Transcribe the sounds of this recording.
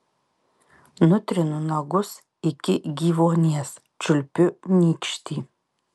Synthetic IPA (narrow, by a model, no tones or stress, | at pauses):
nʊt̪ʲɾʲɪnʊnɐɡʊs | ɪkʲɪɡʲiːʋoːnʲeɛs | t͡ʃʲʊlʲpʲʊnʲiːkʃt̪ʲiː